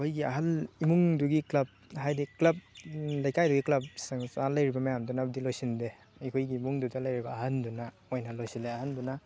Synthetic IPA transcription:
kʰojɡiɐɦɐlimuŋduɡiklɐb̚ | ɦajdiklɐb̚lajkajduɡiklɐp̚saŋsalɐjɾibamajamdunabdilojsinde | jkʰojɡiːmuŋdudalɐjɾibaːhɐnduna | ojnalojsileɐhanduna

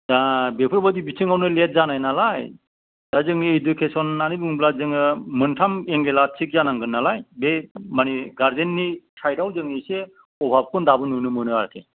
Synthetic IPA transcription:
abepʰɯɾbɔdibit͡ʃʰɯŋawnɯlet̚zanajnalaj | d̥azɯŋniidukʰesɔnːanibɯŋblazɯŋɯmɯntʰameŋɡelat͡ʃʰik̚zanaŋɡɯnːalajbemaniɡaɾdenːisʰajdawzɯŋnise | ɔbʱab̚kʰɔndabɯnunɯmɯnɯaɾkʰḛ

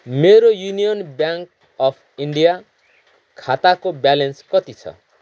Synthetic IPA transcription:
meɾojunijɔnbjaŋk | ɔpʰiɳɖija | kʰat̪akobjalenskʌt̪it͡sʰʌ̰

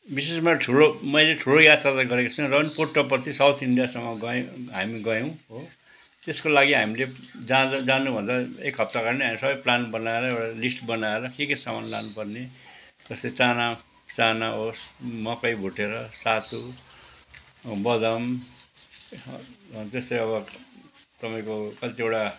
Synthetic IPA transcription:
bisesmaʈʰuɽomʌjleʈʰuɽojat̪ralaɡʌɾekat͡sʰʌw̃rʌnporʈʌp̬ʌrt̪ʰisawt̪ʰiɳɖijasʌmːʌɡʌɦamiɡʌjõɦo | t̪eskolaɡiɦamiled͡zad̪d͡zanubʱʌnd̪aekɦʌp̚t̪akʌɾneɦamiisʌbʌjplanbʌnaeɾʌewʈalisʈbʌnaeɾʌkekesamanlanupʌrne | d͡zʌst̪ʌt͡sana | t͡sanaɦosmʌkʌjbʱuʈeɾʌsat̪ʰu | bʌd̪ʌm | t̪ʌst̪ʌjʌβʌ | t̪ʌpaĩkokʌlt̪iewʈa

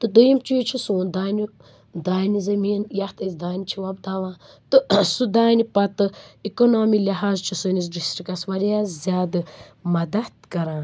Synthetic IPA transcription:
t̪ɨd̪ɨjimt͡ʃujt͡ʃʰisuːnd̪aːnʲi | d̪aːnizɐmiːnjɐht̪ɐsd̪aːnit͡ʃʰiʋɐb̚d̪aːʋãː | t̪ɨsud̪aːnipɐt̪ɨikonoːmiliɦaːzt͡ʃʰusɨnis̬ɖisɾikɐsʋɐɾjazʲaːd̪ɨ | mɐd̪ɐd̪kɐɾãː

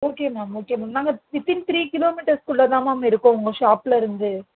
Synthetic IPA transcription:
oːkeːmaːoːkeːmaːnaːŋɡɐɪt̪ːɪnt̪ɪɾiːkɪloːmiʈɐɾskʊɭːɐt̪ãːmaːmːɐɪɾɯkːʊ̃ʊŋɡɐʃaːpɪlɐɪɾɯnd̪ɯ

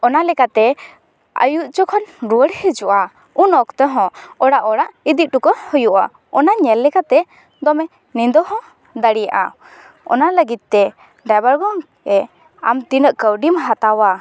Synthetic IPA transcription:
ɔnalɛkat̪ɛ | ə̰juʔt͡ʃɔkʰɔnɾuəɽhɛd͡ʒuʔa | unɔkt̪əɦɔ̃ɔɽaʔɔɽaʔid̪iʔ̪̚ɖukɔhɔjuʔa̰ | ɔnaɲɛlːɛkat̪ɛ | d̪ɔmɛ | nind̪ɔhɔ̃ | d̪əɽijaʔa̰ | ɔ̰naləɡit̪̚t̪ɛ | ɖabəɾɡɔŋ | ɛ | amt̪inəʔkəwɖimɦat̪awa

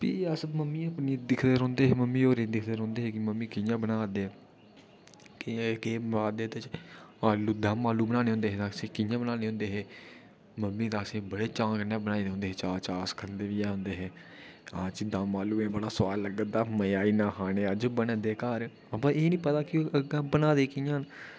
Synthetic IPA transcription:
pḭːəsməmːiːəpniːd̪ɪkʰd̪eːɾɔ̃ːnd̪eːɦeːməmːiːoːɾiːd̪ɪkʰd̪eːɾɦõːnd̪eːɦeːkɪməmːiːkɪjãːbənaːd̪eː | kkeːaːd̪eːt̪et͡ʃaːluːd̪ãːmaːluːbənãːnẽɦõːnd̪eːɦeːt̪ãːsĩːkɪjãːbənaːneːɦõːnd̪eːɦeː | məmːiːt̪ãːsĩːbəɽeːt͡ʃãːkənãːbənaːid̪eɦõnd̪eːɦeːt͡ʃaːt͡ʃaːskʰənd̪eːʋiːɛːɦʊ̃nd̪eːɦeː | aːt͡ʃid̪ãːmaːluːeːbəɽaːsʋaːlləɡəd̪aːməaːiːnãːɦaːneːəd͡ʒbəned̪eːkaːɾ | əbãːeːnĩːpət̪aːkɪəɡãːbənaːd̪eːkɪjãːn

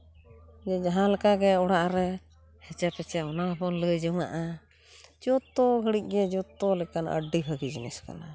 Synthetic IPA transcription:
d͡ʒɛd͡ʒaɦãlɛkaɡɛɔɽaʔɾɛ | hɛt͡ʃɛpɛt͡ʃɛɔnapɔnləjd͡ʒɔŋa̰ʔa | d͡ʒɔt̪ːɔɡʱəɽic̚ˀɡɛd͡ʒɔt̪ːɔlɛkanʔə̰ɖibʰʱəɡid͡ʒnɛska̰na

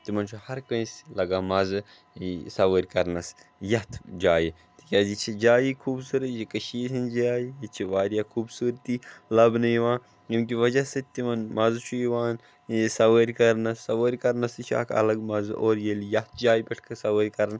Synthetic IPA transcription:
t̪imɐnt͡ʃʰuhɐɾkɐ̃sʲlɐɡaːmɐzɨ | sɐʋəːɾʲkɐɾnɐs | jɐɦt̪ʰd͡ʒaːji | t̪i̥kʲaːzit͡ʃʰid͡ʒaːjikʰuːbsuɾɨt͡ʃʰikɐʃiːsʲʰind͡ʒaːjijit͡ʃʰiʋaːɾijakʰuːbsuːɾt̪iːlɐbnɨjiʋãːn | jimk̬ʲiʋɐd͡ʒɐsɨt̪imɐnmɐzt͡ʃʰuiʋaːn | sɐʋəːɾʲkɐɾnɐːɐʋəːɾʲkɐɾnɐsit͡ʃʰa̰ːkʰɐ̰lɐɡmɐzɨʔoːɾjeljɐt̪̚ʰd͡ʒaːjipʲɐʈʰkʰɐsɐʋəːɾʲkɐɾn

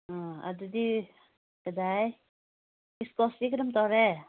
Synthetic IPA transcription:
ɔ̃a̰dudi | kədaj | iskɔstikɾɯmt̪ɔɾɛ

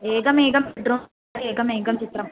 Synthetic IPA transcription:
eːɡɐmeːɡɐmeɖɾoː | aɾieːɡɐmeːɡɐmt͡ʃit̪ɾɐm

